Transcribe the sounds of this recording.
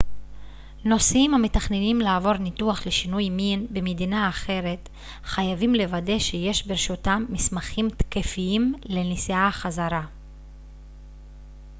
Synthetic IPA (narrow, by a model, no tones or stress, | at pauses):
no̞simhametaχnenimlaːvo̞ʁnituaχle̞ʃinujminbe̞med̪inaːχe̞ʁe̞t̪ | χajavimle̞vade̞ʃeje̞ʃbeʁeʃutamːismaχimt̪ke̞fiimle̞nisiaχazaʁa